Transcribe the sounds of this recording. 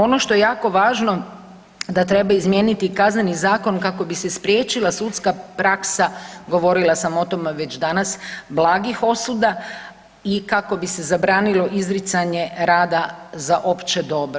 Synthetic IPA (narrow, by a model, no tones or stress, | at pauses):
o̞noʃt̪o̞je̞jaːko̞ʋaːʒno̞ | d̪at̪ɾe̞baizmjenit̪ikaznenizaːko̞nkako̞bisespɾje̞ːt͡ʃilasut̪skapɾaksaɡo̞ʋo̞ɾilˠasamo̞t̪o̞meʋe̞t͡ʃd̪anasblˠaːɡixo̞sud̪a | ikako̞bise̞zabɾaːnilo̞ʔizɾit̪saɲe̞ɾaːd̪azaʔo̞pt͡ʃe̞d̪o̞bɾo